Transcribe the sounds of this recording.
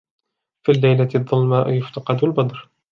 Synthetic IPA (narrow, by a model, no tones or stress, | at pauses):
fiːlːajlaɪðˤːɑlmaʔjʊft̪ɑqɑd̪albɑd̪ˤɾ